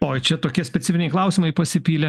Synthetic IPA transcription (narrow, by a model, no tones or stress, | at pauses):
oːt͡ʃʲɛt̪oːkʲiɛsʲpʲɛt̪sʲɪfʲɪnʲɛɪlˠɐʊsʲiːmɐɪpɐsʲɪpʲiːlʲɛ